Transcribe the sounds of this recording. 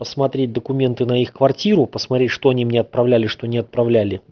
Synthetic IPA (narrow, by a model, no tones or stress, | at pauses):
pəsmɐt̪ɾʲet̚ʲd̪əkʊmʲe̞nt̪ɨnɐixkvɐrtʲiɾʊpəsmɐt̪ɾʲetʲʂt̪oɐnʲimnʲeɐt̪̚pɾɐvlʲælʲɪʂt̪onʲɪɐt̪̚pɾɐvlʲælʲɪ